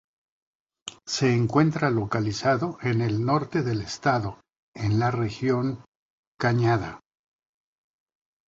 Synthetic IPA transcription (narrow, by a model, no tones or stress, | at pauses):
se̞ːŋkwe̞nt̪ɾalo̞kalisaðo̞ʔe̞ne̞lno̞ɾt̪e̞ðe̞le̞st̪aðo̞ | e̞nlare̞xjo̞ŋ | kaɲaða